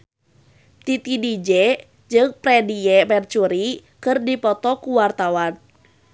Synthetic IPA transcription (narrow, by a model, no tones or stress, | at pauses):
t̪it̪idid͡ʒɛ | d͡ʒɨŋpɾɛdiɛmɛrt͡ʃuɾikɨrdipɔt̪ɔkuwart̪awan